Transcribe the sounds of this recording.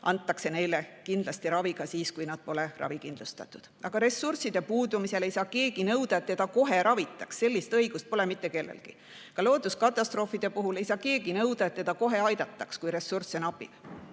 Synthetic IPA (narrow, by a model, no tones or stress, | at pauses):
ʔɑ̰nt̪ːˑɑkse̞ne̞jlekind̪̥lɑst̪iɾɑviɡ̥ɑsiːskujnɑd̪̥̚po̞le̞rʔɑ̰vikind̪lust̪ɑ̰t̪ːˑud̪̥ɑɡ̥ɑɾe̞sːursid̪̥e̞puːd̪umise̞le̞jsɑːke̞ːɡ̥inɤwd̪̥ɑe̞t̪ːe̞d̪̥ɑko̞ɦe̞ɾɑvit̪ːˑɑksːe̞lʲːist̪ɤjɡ̥ust̪̚po̞le̞mit̪ːˑe̞ke̞lːḛlɡ̥i | kɑlo̞ːd̪uskɑt̪ːˑɑst̪ro̞ːfid̪̥e̞puɦulejsɑːke̞ːɡinɤwd̪̥ɑet̪ːe̞d̪̥ɑko̞ɦe̞ɑjd̪̥ɑt̪ˑːɑkskujɾe̞sursenɑpḭl